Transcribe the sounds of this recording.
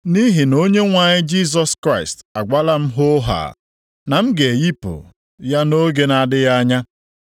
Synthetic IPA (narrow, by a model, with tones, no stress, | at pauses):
ni˦ɦi˨no˦ɲe˦ŋʷa˨ɲɪ˦d͡ʒi˦s̬ɔ˨skɾa˦ɪ˨sta˨ɡʷa˦la˦m̩˦ɦʊ˦ɦa̰ː˨ | na˨m̩˦ɡe˨ji˦po̰˨ | ja˦no˦ɡe˨na˨dɪ˦ja˦ɲa˦